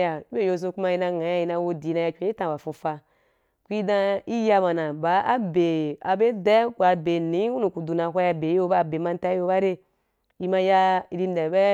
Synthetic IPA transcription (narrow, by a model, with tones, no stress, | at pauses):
ja˨˦be˦˨jo˧˨s̬o˧ku˦ma˧ji˧na˧ŋa˨˦a˧˦i˧na˧wo˦˧di˨˦na˧ja˧kʲʷe˧˦i˦tã˨ba˨fu˧fa˧ | kʷu˦i˦dã˧i˦ja˧ma˨nã˨ba˨˦ʔa˦be˨a˨be˦dɛ˦ku˨a˨be˨nĩ˨˦i˦u˦nu˨ku˨du˨na˨ɦʷa˦ja˧be˨i˦wo˦ba˦˨be˨ma˧n˦ta˦i˦wo˧ba˦ɾe˦ | i˧ma˧ja˧ɾi˧n˦dɛ˨bɛ˦